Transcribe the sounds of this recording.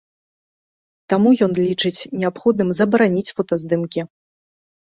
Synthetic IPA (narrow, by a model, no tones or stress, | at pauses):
t̪amujɔnlʲit͡ʂɨt͡sʲnʲɛapxɔd̪̚nɨmzɐbɐɾanʲit͡sʲfɔt̪ɐzd̪ɨmkʲi